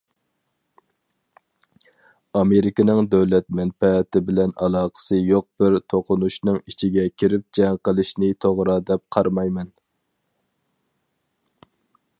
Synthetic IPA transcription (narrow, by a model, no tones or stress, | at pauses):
ɑmeɾɪkʲɪnɨŋd̪ɛwlɛt̪̚mɛnpɛt̪ɪbɪlɛnʔɑ̰lˠɑːqʰə̥sɨjoq̚b̥ɪɾt̪ʰoqʰʊnuʃnɨŋit͡ʃʰiɡʲɛkʲʰiɾɪp̚d͡ʒɛŋqəlˠɨʃnɪt̪ʰoʁɾɑd̪ɛp̚qʰɑɾmɑjmɛn